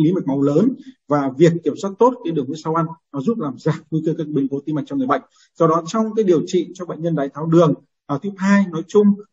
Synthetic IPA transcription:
li˨˦ma˨˩ma˨˦wləː˨˦nvaː˨˩vi˨˩ək̚kːi˧˩əmswaː˦˥k̚t̪o˦˥t̚kaː˨˦jɗɨ˨˩əŋvi˧˥əsaː˧wʔa˧nnɔ˨˦zu˦˥t̚laː˨˩mzaː˨˩k̚vu˧kə˧kaː˦˥k̚ɓi˨˦ŋko˨˦t̪i˧ma˨˩t͡ɕɔ˧ŋ͡mŋɨ˨˩ɓ̰jŋ̟ | zɔ˧wɗɔ˨˦t͡ɕɔ˧wŋ͡mkaː˨˦jɗi˨˩əwt͡ɕḭ˧˨t͡ɕɔ˧ɓa̰˧˨ŋ̟ɲə˧nɗaː˨˦jt̪ʰaː˨˦wɗɨ˨˩əŋ | ʔaː˨˩t̪ʰə˥haː˧jnɔ˨˦jt͡ɕʊ˧ŋ͡m

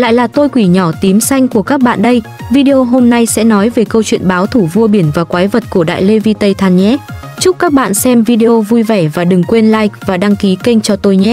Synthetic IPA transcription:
la̰ː˧˨jlaː˨˩t̪o˧jkwi˧˩ɲɔ˧˩t̪i˨˦msa˧jŋ̟ku˧˩əkaː˦˥k̚ɓa̰ː˧˨nɗə˧j | vi˧ɗe˧ʔo˧ɦo˧mna˧jsɛ̰˧˥nɔ˨˦jve˨˩kə˧wt͡ɕwḭ˧˨ənɓaː˨˦wt̪ʰu˧˩vu˧əɓi˧˩ənvaː˨˩kwaː˨˦jvə˨˩t̚ku˧˩əɗa̰ː˧˨jle˧vi˧t̪ə˧jt̪ʰaː˧nɲɛ˦˥ | t͡ɕʊ˦˥k͡p̚kaː˦˥k̚ɓa̰ː˧˨nsɛ˧mvi˧ɗe˧ʔo˧vu˧jvɛ˧˩vaː˨˩ɗɨ˨˩ŋkwe˧nlaː˧jvaː˨˩ɗa˧ŋki˨˦kə˧ŋ̟t͡ɕɔ˧t̪o˧jɲɛ˦

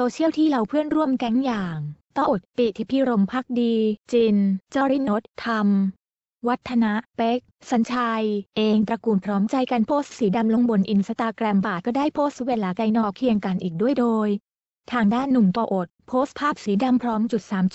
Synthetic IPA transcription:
soː˧t͡ɕʰi˥˩əwt̪ʰiː˥˩la˧wpʰɯ˥˩ənɾu˥˩əmkɛ˦˥ŋjaː˨˩ŋt̪ɔ˥˩ŋʔo˨˩t̪̚pi˨˩t̪ʰi˦˥pʰi˦˥˩ɾo˧mpʰaː˥˩k̚diː˧t͡ɕi˧nt͡ɕɔː˥˧ɾi˥˩no˦˥t̪̚ʰːa˧m | wa˦˥t̪ʰːa˧na˦˥ʔpe˦˥k̚sa˩˦nt͡ɕʰa˧jʔeː˧ŋt̪ɾa˧kuː˧npʰɾɔː˦˥mt͡ɕa˧jka˧npʰoː˦˥st̪̚siː˩˦da˧mlo˧ŋbo˧nʔi˧nsa˧t̪aː˧kɾɛː˧mbaː˨˩kɔː˥˩daː˥˩jpʰoː˦˥stweː˧laː˩˦ka˧jnɔː˧˥kʰi˧əŋka˧nʔiː˨˩k̚du˥˩əjdoː˧j | t̪ʰaː˧ŋdaː˥˩nːu˨˩mt̪ɔː˧ʔo˨˩t̪̚pʰoː˦˥st̪̚pʰaː˥˩p̚siː˩˦da˧mpʰɾɔː˦˥mt͡ɕu˨˩t̪̚saː˩˦mt͡ɕ

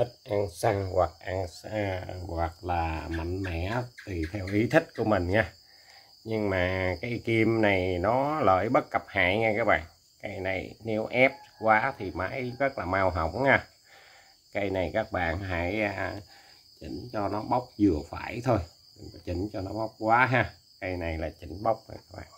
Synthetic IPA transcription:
t̪ʰi˦˥t̚ʔaː˧ŋsa˧ŋɣwa˨˩k̚ʔaː˧ŋswa˨˩k̚laː˨˩ma̰˧˨jŋ̟mɛ̰˧˨t̪i˨˩t̪ʰɛ˧wʔi˨˦t̪ʰï˦˥t̟̚ku˧˩əmï˨˩ŋ̟ɲaː˧ | ɲɨ˧ŋmaː˨˩kaː˨˦jki˧mna˨˩jnɔ˨˦lə̰ː˧˨jɓə˦˥t̚kə˨˩p̚ha̰ː˧˨jŋɛ˧kaː˦˥k̚ɓa̰ː˧˨n | ka˧jna˨˩jne˨˦wʔɛ˦˥p̚kwaː˨˦t̪ʰi˨˩maː˨˦jzə˦˥t̚laː˨˩maː˧wɦə˧˩wŋ͡mhaː˧ | kə˧jna˨˩jkaː˦˥k̚ɓa̰ː˧˨nɦa˧˥˩jʔaː˧ | t͡ɕï˨˦ŋ̟t͡ɕɔ˧nɔ˨˦ɓa˦˥wk͡p̚zɨ˨˩əfa̰ː˧˩jt̪ʰo˧j | t͡ɕï˨˦ŋ̟t͡ɕɔ˧nɔ˨˦ɓa˦˥wk͡p̚kwaː˨˦ɦaː˧ | kə˧jna˨˩jlaː˨˩t͡ɕï˨˦ŋ̟ɓa˦˥wk͡p̚ŋa̰˧kaː˦˥ɓa̰ː˧˨n

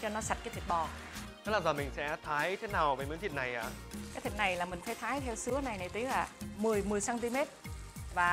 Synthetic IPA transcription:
t͡ɕɔ˧nɔ˨˦sa˨˩t̚aː˨˦t̪i˨˩ɓɔ˨˩ | ə˨˦˥laː˨˩zəː˨˩mï˨˩ŋ̟sɛ̰˧˥t̪ʰaː˨˦jt̪ʰe˨˦naː˨˩wvəː˨˩mə˨˦jt̪i˨˩t̚na˨˩jʔa̰ː˨˩kaː˨˦jt̪ʰi˨˩t̚na˨˩jlaː˨˩mï˨˩ŋ̟faː˨˦jt̪ʰaː˨˦jt̪ʰɛ˧wsɨ˨˦əna˨˩jna˨˩jt̪i˨˦laː˨˩mɨ˨˩əjmɨ˨˩əjsaː˧nt̪i˧me˦˥t̚vaː˨˩

